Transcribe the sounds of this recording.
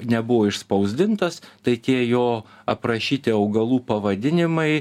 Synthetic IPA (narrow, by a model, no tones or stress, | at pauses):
nʲɛbʊʋoːɪʃspɐʊzʲd̪ʲɪnt̪ɐst̪ɐɪt̪ʲiɛjoː | ɐpɾɐʃʲiːt̪ʲɪɐʊɡɐlˠuːpɐʋɐd̪ʲɪnʲɪmɐɪ